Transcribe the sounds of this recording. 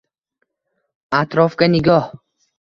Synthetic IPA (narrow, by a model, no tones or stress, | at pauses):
at̪ɾɔfɡaniɡɔh